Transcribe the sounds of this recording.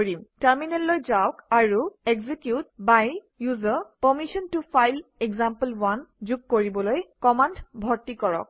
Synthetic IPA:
ɹimtaɹminɛllojzawkaɹuɛɡzikjut̚baj | juzɔpɔmiʃɔntufʰajlɛɡzampəlwand͡ʒuɡ̚koɹibɔlojkɔmandbʱɔɹtikɔɹɔ̰k̚

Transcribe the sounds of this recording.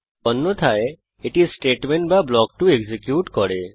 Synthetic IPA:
ɔnːot̪ʰae | eʈisʈeʈmeɳʈ̚bablɔk̚ʈueɡzikjuʈkɔɾe

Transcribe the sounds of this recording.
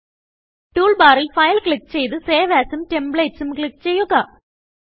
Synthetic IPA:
ʈuːɭbaːrilfɐjlkɭikːt͡ɕejt̪ɨseːʋaːsumtembɭeːtsumkɭikːt͡ɕejːuɡa

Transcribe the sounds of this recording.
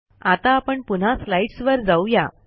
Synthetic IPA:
at̪aːpəɳpun̤aslaiʈsʋəɾd͡zauja̰

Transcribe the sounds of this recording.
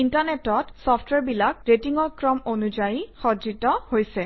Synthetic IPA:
intanetɔtsɔptwɛɹbilakɹetiŋɔɹkɹɔmonud͡ʒajixɔd͡ʒitɔhojsɛ

